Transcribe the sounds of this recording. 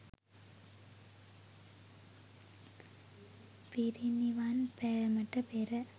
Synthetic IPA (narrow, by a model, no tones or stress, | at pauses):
piɾiniʋaːnpeɾɐmɐʈːɐpeːɾɐ